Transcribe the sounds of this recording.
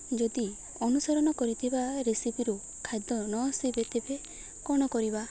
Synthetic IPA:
d͡ʒɔd̪i | ɔnusɔɾɔñɔkɔɾit̪ʰibaɾesipiɾu | kʰajd̪ɔnɔsibet̪ebe | kɔɽ̃ɔkɔɾiba

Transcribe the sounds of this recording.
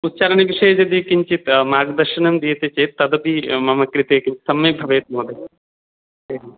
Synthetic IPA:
ut̪ːt͡ʃɐɾɐɳɐʋiʂeːd͡ʒɐd̪iːkiɲt͡ʃit̪maːɡd̪ɐɾʂɐnɐmd̪iːɐt̪ɐt͡ʃeːt̪ːɐd̪ɐbimɐmɐkɾit̪eːkimsɐmːeːbʱɐʋeːt̪̚moːd̪e | eɦ

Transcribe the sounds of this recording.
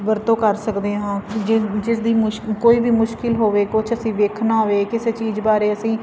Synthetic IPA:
bəɾt̪õːkəɾsəkd̪eːɦãːd͡ʒɪd͡ʒɪsd̪iːmʊkoːiːbiːmʊʃkɪlɦoːʋeːkʊt͡ʃʰəsĩːʋeːkʰnaːɦoʋeːkɪseːt͡ʃiːzbaːɾeːəsĩː

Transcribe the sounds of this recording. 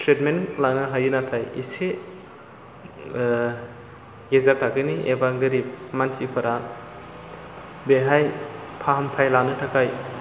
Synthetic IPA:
tʰɾet̚menlanɯɦajinatʰajḭse | ɡezatʰaɡɯniebaŋɡɯɾip̚mansipʰɐɾa | beɦajpʰaɦamtʰajlanɯtʰakʰaj

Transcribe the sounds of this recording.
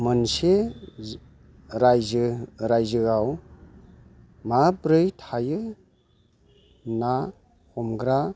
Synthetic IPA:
mɯnse | ɾajzɾajzɯɡaw | mabɾɯjtʰajɯ | na | hʰɔmɡɾa

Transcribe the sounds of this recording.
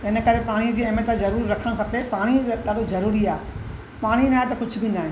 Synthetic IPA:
ɪnə̆kɐɾepaːɽ̃id͡ʑiːemẽt̪azɐɾuːɾːɐkʰəɽ̃kʰɐpepaːɽ̃iɗaːɗozɐɾuːɾiaːɦ | paːɽ̃inaːɦet̪ɐkʊd͡ʑʱʊbɪnaːɦẽː

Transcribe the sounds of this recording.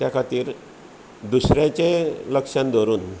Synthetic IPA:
t̪jakʰat̪iːɾ | d̪usɾjãt͡ɕeləkʂãnd̪ʱoɾuːn

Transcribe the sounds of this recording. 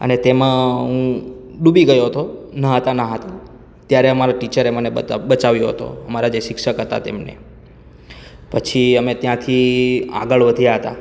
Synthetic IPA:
ə̰net̪emãɦũɗubiɡəjoɦət̪onaɦət̪anaɦət̪a | t̪jaɾeəmaɾaʈit͡ʃəɾeməneəbət͡ʃaʋjoɦə̰t̪o̰əmaɾad͡ʒeʃɪkʂəkɦət̪a̰t̪ḛmnḛ | pət͡ʃʰiəmet̪jãt̪ʰia̰ɡəɭʋəd̪ʱijaɦət̪a̰

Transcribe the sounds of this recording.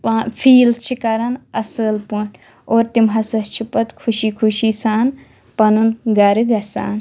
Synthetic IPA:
paːpʰiːlt͡ʃʰikɐɾɐnɐsəːlpuɳ | oːɾt̪imɦɐsɐst͡ʃʰipɐt̪kʰuʃiːkʰuʃiːsaːn | pɐnunɡɐɾɨɡɐsa̰ːn

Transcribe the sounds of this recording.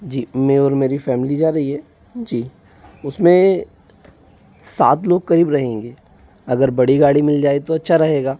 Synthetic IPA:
d͡ʒiːmẽɔːɾmeːɾifɛːmɪlid͡ʒaːɾɐɦiɦɛː | d͡ʒiː | ʊsmẽ | sa̰ːt̪loːɡ̚kɐɾiːbɾɐɦẽːŋɡeː | ɐɡəɾbɐɽiɡaːɽimɪld͡ʒaːet̪oɐtːʃʰaɾɐɦeːɡaː

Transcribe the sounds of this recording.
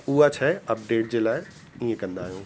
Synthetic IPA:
uːat͡ʃʰɛɐp̚ɖeːʈ̚d͡ʑeːlaːe | ĩːẽkɐ̃nd̪aːjõː

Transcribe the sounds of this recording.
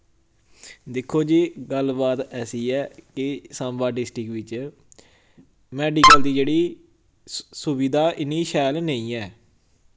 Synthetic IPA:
d̪ɪkʰːoːd͡ʒiːɡəlbaːt̪ɛːsiːɛːkɪsãːmbaːɖɪsʈɾɪkʋɪt͡ʃ | mɛːɖiːkəld̪iːd͡ʒeːɽiː | sʊʋiːd̪aːʔɪniːʃɛːlnəĩːɛː

